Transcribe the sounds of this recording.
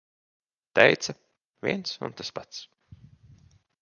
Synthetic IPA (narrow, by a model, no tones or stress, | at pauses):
t̪ɛjt̪sa | vʲḭɛnsṵnt̪aspat̪s